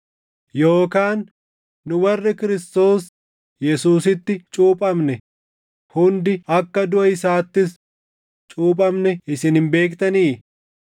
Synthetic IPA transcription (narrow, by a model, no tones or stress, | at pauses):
joːkaːnː | ʊwɐrːɪkɪɾɪst̪o̞ːs | jɛsuːsɪt̪ːɪt͡ʃʼuːpʼɐmnɛ | hʊnd̪ɪɐkːɐd̪ʊʔɐɪsaːt̪ːɪs | t͡ʃʼuːpʼɐmnɛɪsɪnɪmbe̞ːkt̪ɐniː